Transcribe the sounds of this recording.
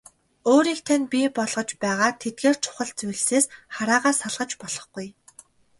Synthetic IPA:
oːɾiːkt̪ʰanʲpʲiːpɔɮʁ̥ɞ̆t͡ɕpæːʁaːt̪ʰet̪̚ɡeːr̥t͡sʰʊ̥χə̆ɮt͡sujɮseːsχaɾaːʁaːsaɮʁə̆t͡ɕpɔɮɞ̆χɡ̥uj

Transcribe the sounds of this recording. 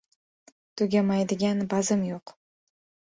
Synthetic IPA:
t̪ʰʊɡʲamajd̪ɪɡʲanbɑzɨmjoq

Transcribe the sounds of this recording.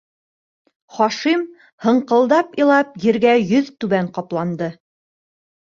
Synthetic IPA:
χɒʃim | hɤ̆ɴqɤ̆lˠd̪ɑpĭlˠɑpjɘ̆ɾɡæjɵðt̪ʉβæɴqɑplˠɑnd̪ɤ

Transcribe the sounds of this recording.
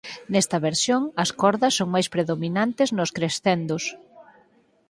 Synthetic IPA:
nɛst̪ɐβeɾsjoŋɐskɔɾðɐsːoŋmajspɾeðominant̪ɪznʊskɾesθend̪os

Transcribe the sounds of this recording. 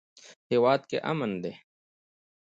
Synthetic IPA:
hewaːd̪̚keʔɐ̰mənd̪eː

